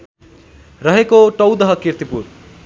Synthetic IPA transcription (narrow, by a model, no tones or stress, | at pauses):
rʌɦekoʈʌwd̪ʌɦʌkirt̪ipur